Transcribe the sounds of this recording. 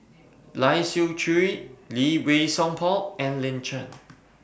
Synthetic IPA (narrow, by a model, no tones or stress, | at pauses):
lajsit͡ʃʰuɹiliwesɔ̃ŋpʰɔlɛ̃nlɪ̃nt͡ʃə̃n